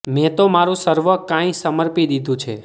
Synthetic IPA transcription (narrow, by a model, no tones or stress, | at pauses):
mɛ̃t̪omaɾũsəɾʋəkãĩsəməɾpid̪id̪ʱũt͡ʃʰḛ